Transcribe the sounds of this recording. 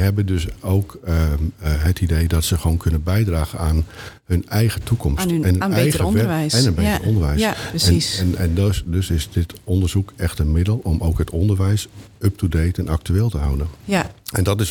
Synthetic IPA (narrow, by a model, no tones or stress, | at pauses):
əɦɛbəndɵsowk | ɦətidejdɔtsəxʋoːnkʰɵnənbɛjdraːɣənaːnhɵnɛjɣətʰukɔmssɛnɛjəəɛjsɛnəbetəəɔndəɹʋɛjsɛɛnɛndøsɪsdɪtɔndəɹzukɛxtənmɪdəlˠɔmowkɦətɔndəɹʋɛjs | əp̚tudejtɛnak̚tyeːlˠtəɦʌwdənɛndɔtɪs